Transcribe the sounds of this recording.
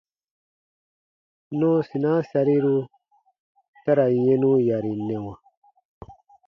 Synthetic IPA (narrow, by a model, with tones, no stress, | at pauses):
nɔ̃˦si˨nã˦sa˧ɾi˦ɾu˧ | ta˦ɾa˨je˦nũ˦ja˨ɾi˨nɛ̃˨wa˨